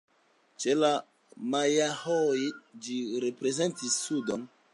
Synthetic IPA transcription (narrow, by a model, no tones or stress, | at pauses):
t͡ʃe̞la | majahojd͡ʒiɾe̞pɾe̞ze̞ntisːudon